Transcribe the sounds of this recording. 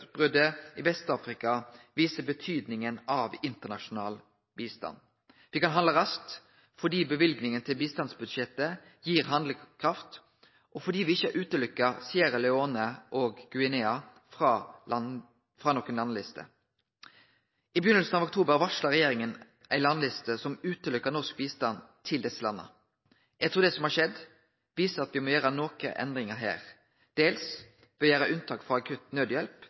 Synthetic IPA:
bʁʏd̪əɪʋɛst̪ɑːfʁɪkɑʋiːsəbət̪ʰyːd̪nɪŋənɑʋɪnt̪ənɑʂʊnɑ̰ːl | biːst̪ɑ̰n | ʋɪkɑnɦɑnd̪ləɾɑst̪ | fɔɖ̪iːbəʋɪlɡnɪŋənt̪ʰɪlbiːst̪ɑnsbʉd̪ʃjɛt̪ːə | jiːɾɦɑnd̪lkʰʁɑft̪ | ʔɔfɔɖ̪iːʋɪɪçəʔʉːt̪əlʏkːəɾsiːəɾəlɛoːnəʔoːɡɡʉɪnɛɑ | fʁɑː | fɾɑːnɔːkːənlɑnlɪst̪ʰə̰ | ʔɪbəjʏnəlsn̩ɑʋʊk̚t̪ʰuːbəɾʋɑʂlɑɾɛjeːɾɪŋən | ʔæɪlɑnlɪst̪əsɔmʉːt̪əlʏkːənɔsk̚biːst̪ɑnt̪ʰɪld̪ɛsːəlɑnːə̰ | jæɡt̪ʰuːɾd̪ɛsɔmhɑʂɛd̪ | ʋiːsəɾɑt̪ʋɪmɔjøːɾɑnoːkə̰ʔɛ̰nd̪ɾɪŋəɦæ̰ːɾ | d̪̥eːls | ʋɛjæːɾəʔʉnt̪ʰɑːkfʁɑɑkʰʉt̪nøːd̪jɛlp

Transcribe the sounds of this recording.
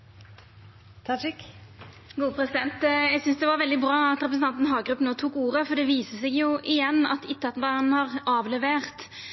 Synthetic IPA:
t̪ʰɑk | ɡuːəpʰɾɛsɪd̪ɛnt̪jæɪsʏnsd̪ɛʋɑɾʋɛld̪ɪbɾɑːɑt̪ɾɛpɾəsn̩ɑnt̪n̩ɦɑːɡɾʉpːn̩oːt̪ʰuːkuːʁəfɔɾd̪ɛʋiːsəsɛɡjʊʔɪjɛnːɑ̰t̪ɪt̪ʰːɑt̪n̩bɑnn̩hɑʁɑːʋlɛʋeːʁt̪

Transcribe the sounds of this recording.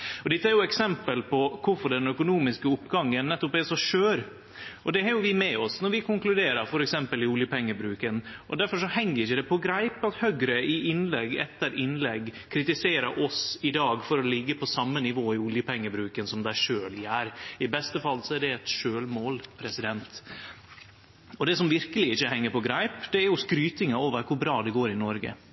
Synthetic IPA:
ɔd̪ɪt̪ːəæɾjʊɛksɛmpəlpʰɔkʰʊɾfɔɖɛnœkʊnuːmɪskəʊpːɡɑŋːənːɛt̪ːɔpɛsɔʂøːɾ | ʔɔd̪ɛhɑɾjʊʋɪmɛɔsnɔɾʋɪkʰʊŋklʉd̪eːɾəɾfɔɾɛksɛmpəlɪʊljəpɛŋːəbɾʉːkənʔɔd̪æɾfɔʂɔhɛŋːəɾɪçəd̪ɛpʰɔɡɾæɪpɑt̪hœɡɾəɪʔɪnlɛɡɛ̰t̪ːəɾʔɪnlɛɡkʰɾɪt̪ɪseːɾɑɾʔɔsɪd̪ɑːɡfɔɾɔlɪɡːəpʰɔsɑmːənɪʋoːɪʊljəpʰɛŋːəbɾʉːkənsɔmd̪æɪʂøːlɪæːɾɪbɛst̪əfɑlːsɔæɖɛɛt̪ʂøːlmoːlpʰɾɛsɪd̪ɛnt̪ | ɔd̪ɛsɔmʋɪɾkəlɪɪçːəhɛŋːəɾpʰɔɡɾæɪpd̪̥ɛæɾjʊskɾyːt̪ɪŋɑoːʋəɾkʰʊɾbɾɑːd̪ɛɡoːɾɪnɔɾɡə̰

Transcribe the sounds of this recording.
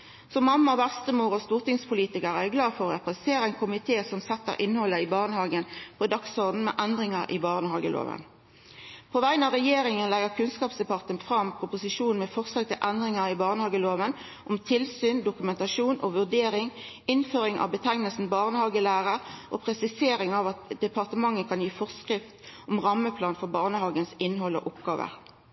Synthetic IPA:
sɔmːɑmːɑɔʋæʁst̪əmuːʁɔst̪uːʁt̪ɪŋspʰʊliːt̪ɪkəʁææɡlɑːfɔʁɔʁɛpʁɛst̪eːʁəɛɪnkʰʊmɪt̪ʰeːsɔmsɛt̪ːə̰ʁʔɪnːəhɔlːəɪbɑːʁnəhɑːɡənpʰɔd̪ɑksɔʁd̪n̩mḛːʔɛnd̪ʁɪŋɑʁʔɪ̰bɑːʁnəhɑːɡəlo̰ːʋə̰n | pʰoːʋæɪənɑʁɛjeːɾɪŋənlæɡəʁkʰʉnskɑːpsd̪ɛpɑʁt̪ənfʁɑmpʰʁʊpʊsɪʃuːnn̩mɛfɔʁslɑːɡ̚t̪ɪlʔɛnd̪ʁɪŋəʁibɑːʁnəhɑːɡəloːʋən | ʔɔmt̪ʰɪlsyːnd̪ʊkʉmɛnt̪ɑʃuːnʔɔʋʉʁd̪eːʁɪŋ | ɪnføːʁɪŋʔɑ̰ʋbət̪ʰæŋnəlsn̩bɑːʁnəhɑːɡəlæːʁəʁʔopʰʁɛsɪseːɾɪŋɑʋɑt̪d̪ɛpɑʁt̪əmɑŋːəkʰɑnjiːfɔʁskʁɪft̪ʔɔmʁɑmːəpʰlɑːnfɔʁbɑːʁnəhɑːɡənsɪnɦɔlo̰ːʔʊpɡɑːʋə̰ʁ

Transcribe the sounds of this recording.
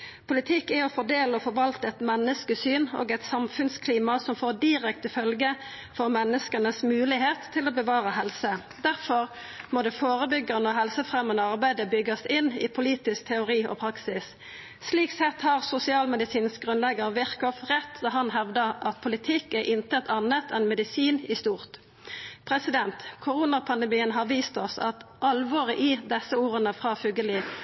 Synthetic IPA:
pʰʊlɪt̪ʰɪkːæɔfɔʁd̪eːləɔfɔɾʋɑlt̪əɛt̪mɛnːəskəsyːno̰ːɡɛt̪sɑmfʉnskʰliːmɑsɔmfoːʁd̪ɪʁɛkt̪əfœlɡə | fɔʁmɛnːəskənəsmʉːlɪheːt̪ʰːɪloːbəʋɑːʁəɦɛlsə | d̪æʁfɔʁ | mɔd̪ɛfoːʁəbʏɡəʁənɔɦɛlsəfʁɛmːənəɑʁbæɪd̪əbʏɡːəsɪnːɪ̰pʰʊliːt̪ɪsk̚t̪ʰɛʊɾiːɔ̰pʰɾɑksɪs | sliːksɛt̪hɑʁsʊsɪɑːlmɛd̪ɪsiːnsɡʁʉnlɛɡəʁʋɪʁkɔfʁɛt̪ːd̪ɑːɦɑnɦɛʋd̪əʁʔɑt̪pʰʊlɪt̪ʰɪkæʁʔɪnt̪ət̪ʰɑnət̪ʰɛnmɛd̪ɪsiːnɪst̪uːʁt̪ | pʰʁɛsɪd̪ɛnt̪kʰʊʁuːnɑpʰɑnd̪əmiːənɦɑːʁʋiːst̪ɔsɑ̰t̪ʔɑlʋoːʁɪʔɪd̪ɛsəuːʁənəfʁɑːfʉɡəlɪ

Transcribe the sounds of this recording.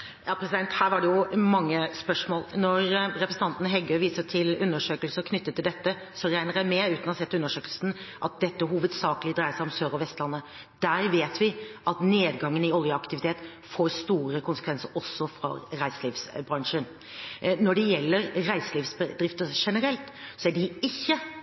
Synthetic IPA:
jɑːpʰɾɛsɪd̪ɛnt̪hæːɾʋɑɖɛjʊmɑŋːəspœʂmoːlnɔɾɾɛpɾəsn̩t̪ɑnt̪nəɦɛɡøːʋiːsət̪ʰɪlʉnːəʂøːkəlsəkʰnʏt̪ːət̪ʰːɪld̪ɛt̪ːə | sɔɾæɪnəɾæɪmɛʉːt̪nɔsɛt̪ːəʉnːəʂøːklsn̩ʔɑt̪̚d̪ɛt̪ːəɦuːʋəd̪sɑːkəlɪd̪ɾæɪəsæɪɔmsøːɾɔʋɛst̪lɑnːə | d̪̥æɾʋeːt̪ʰʋɪʔɑt̪neːd̪ɡɑŋːənɪɔljəɑkt̪ɪʋɪt̪ʰeːt̪ | foːɾst̪uːɾəkʰʊnsəkʰʋɛnsəɾɔsːɔfɾɑ̰ɾæɪsəliːfsbɾɑŋʂən | nɔɖɛjɛlːəɾɾæɪsəliːʋsbəd̪ɾɪft̪əʂɛnəɾɛlt̪sɔæɖɪɪçːə

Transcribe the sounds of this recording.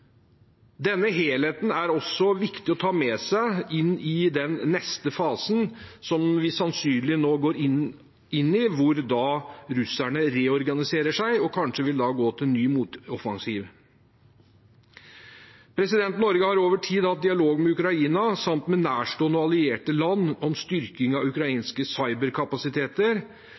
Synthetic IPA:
d̪ɛnːəɦeːlheːt̪n̩æɾɔsːɔʋɪkt̪ɪɔt̪ʰɑːmɛsæɪɪnːɪd̪ɛnːɛst̪əfɑːsən̩sɔmʋɪsɑnsyːnlɪnoːɡoːɾɪ | ɪnːɪʋʊɾd̪ɑːɾʉsæɳəɾeːɔɾɡɑnɪseːɾəʂæɪɔkʰɑnʂəʋɪld̪ɑːɡoːt̪ʰɪlnyːmuːt̪ɔfɑŋsiːʋ | pʰɾɛsɪd̪ɛnt̪nɔɾɡəhɑɾoːʋəʈʰiːd̪hɑt̪̚d̪ɪɑloːɡmɛʉkɾɑiːnɑsɑmt̪mɛnæːʂʈoːnɔɑlɪeːʈəlɑnːɔmst̪ʏɾkɪŋɑʉkɾɑiːnskəsɑɪbəɾkʰɑpɑsɪt̪ʰeːt̪əɾ

